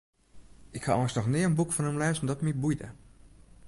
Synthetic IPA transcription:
ɪkha̰ɔstnɔxnɪəənbukfɔnəmlɛːzən̩dɔtmibujdə̰

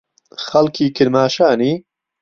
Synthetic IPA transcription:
xɐlkʰiːkʰɪɾmaːʃaːniː

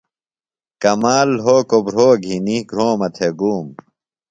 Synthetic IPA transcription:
kɐmaːlɦoːkobɾoːɡʱiniɡʱɾoːmɐt̪ʰeɡuːm

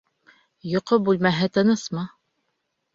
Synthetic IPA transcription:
jŏqobʉlmæɦɘt̪ɤ̆nɤsmɑ

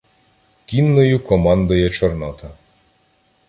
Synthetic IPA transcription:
kʲinːɔjukɔmand̪ɔjɛt͡ʃɔrnɔt̪ʰɐ

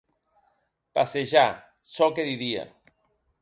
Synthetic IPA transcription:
paseʒa | sɔkeðiðia̰

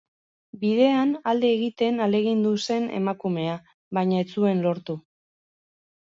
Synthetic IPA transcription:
bið̞e̞anald̪e̞ːɣit̪e̞nale̞ɣind̪use̞ne̞̰makume̞a | βajɲaet͡sue̞nlo̞ɾt̪u

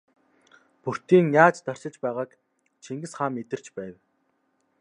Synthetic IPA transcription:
pur̥t̪iːŋjaːt͡ɕt̪œr̥t͡ɕɪ̆t͡ɕpæːʁaːk | t͡ɕʰiŋɡɘ̆sχaːmet̪ɘ̆r̥t͡ɕpæːw

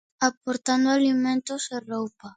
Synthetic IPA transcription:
apoɾt̪and̪ʊalimẽnt̪ʊserowpa

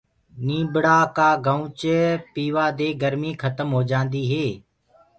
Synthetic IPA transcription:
nĩːbɽaːkaːɡəũt͡ʃpiːʋaːd̪eːɡəɾmiːkʰət̪əmɦoːd͡ʒãːnd̪iːɦeː

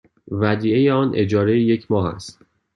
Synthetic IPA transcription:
væd̪iːejeɒːnʔe̞d͡ʒɒːɾejeje̞cʰmɒːɦæ̰st̪

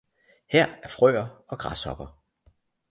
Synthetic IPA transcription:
hɛɐ̰æɐfʁœ̰ːɐɒ̽ɡ̥ʁɑ̈sɒ̽b̥ɐ

